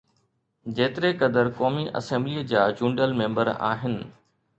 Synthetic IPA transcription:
d͡ʑeːt̪ɪɾekɐd̪əɾkɔːmiʔɐ̰sɛ̃mbliːd͡ʑaːd͡ʑũːɳɖəlmẽːmbəɾa̰ːɦɪnɪ̆

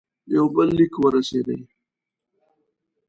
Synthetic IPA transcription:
jawbəlːikwəɾased̪ə̰j

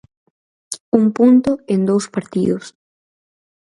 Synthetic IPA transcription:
uŋpunt̪ʊend̪owspaɾt̪iðʊs

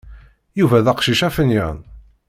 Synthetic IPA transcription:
juvæðæqʃiʃæfənjæ̰n

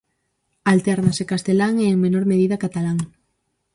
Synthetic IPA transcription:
alt̪ɛɾnasekast̪elaŋeːŋmenoɾmeð̞iðakat̪alaŋ

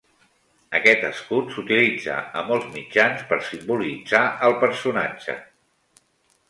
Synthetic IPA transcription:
əkɛt̪əskut̪sut̪ilid͡zə̰əmɔlˠzmid͡ʒanspəɾsimbulid͡zaəlˠpəɾsunad͡ʒə̰

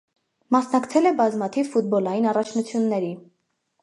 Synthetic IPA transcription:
mɑsnɑkt͡sʰɛlɛbɑzmɑt̪ʰivfut̪̚bɔlɑjinɑrɑt͡ʃʰnut͡sʰjunːɛɾi

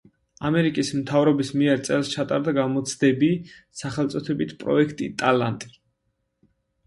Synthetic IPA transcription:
amɛɾikʼismt̪ʰavɾɔbismiɛɾt̪sʼɛlˠst͡ʃʰat̪ʼaɾd̪aɡamɔt̪sʰd̪ɛbi | saχɛlt̪sʼɔt̪ʰɛbit̪ʰpʼɾɔ̰ɛkʰt̪ʼit̪ʼalant̪ʼi̥

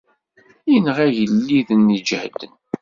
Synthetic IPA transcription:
inʁæʝəlːiðənid͡ʒhd̪ən

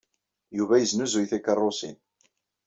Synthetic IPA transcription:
juvæjəznuzujθækːərˤːosḭn

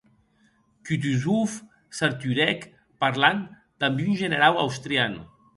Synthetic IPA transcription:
kyt̪̬yzuf | saɾt̪yɾɛk | paɾlan | d̪̥ambiynʒənəɾawa̰wst̪ɾianṵ

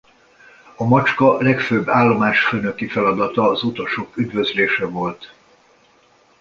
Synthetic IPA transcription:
ɒmɒt͡ʃkɒlɛkføːbːaːlːo̞maːʃføːnøkifɛlɒd̪ɒt̪ɒːzut̪o̞ʃokyd̪vø̞zleːʃɛvo̞lt̪

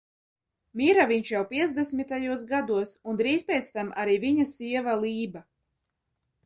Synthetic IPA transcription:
mʲiɾaviɲʃjawpʲiɛzd̪es̬mʲit̪ajuɔs̬ɡad̪uɔsund̪ɾiːzpʲɛːt̪st̪ama̰ɾiːviɲasiɛvalˠiːba

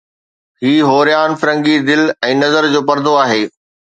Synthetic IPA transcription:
ɦiːɦoːɾijaːnfɪɾə̃ŋɡid̪ɪlɛ̃ːnɐzəɾd͡ʑoːpɐɾd̪ʱoaːɦeː

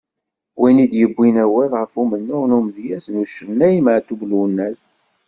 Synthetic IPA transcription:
winid̪jəbʷːinæwælʁəfumənːʊʁnumðjæsnuʃənːæjməʕt̪ubluwnːæs

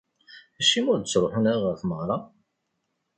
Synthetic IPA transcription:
æʃːimʊɾd̪ət͡sːɾˤoħənæʁəɾθməʁɾˤɑ

